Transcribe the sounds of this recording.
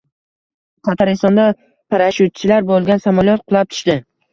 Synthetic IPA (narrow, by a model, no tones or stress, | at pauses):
qʰɑt̪ʰaɾɪst̪ɒnd̪a | pʰaɾaʃut̪̚t͡ʃʰɪlaɾbolˠɡʲansamalˠjɒt̪̚qʰʊlˠap̚t̪ʰʊ̥ʃt̪ɪ